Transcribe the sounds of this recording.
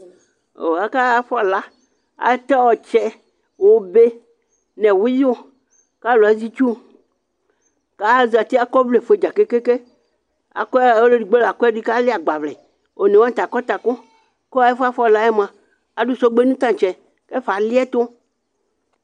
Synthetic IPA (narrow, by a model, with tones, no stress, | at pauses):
o̰˨a˨ka˦fla˦ | a̰˨˦t̪ɛ˦wɔ˨t͡ʃɛ˦ | wo˦be˦ | nɛ̃˨wu˦jo˦ | ka˦lo˨a˨zi˦t͡ʃu˦ | ka˦zi˨a˨t̪i˦a˨kɔ˦vle˨fe˨˦d͡ʒa˨ke˦ke˦ke˦ | a̰˨kɔ˦˨wo˦le˦ɖi˨ɡ͡be˦lo˨a˨kɔ˦ɛ˦ɖi˦ka˦le˦a˨ɡ͡ba˨vlɛ̰˨ | o˨nɛ̃˨wa˦t̪a˨kɔ˦t̪a˨ko˦ | kɔ˦e˦fe˦a˦fɔ˦˨la˦ɛ˦mã˨ | a˨ɖu˦sɔ˦ɡ͡be˦nũ˦t̪ã˦˨t͡ʃɛ˨ | ke˦fa˨li˦ɛ˦t̪o˦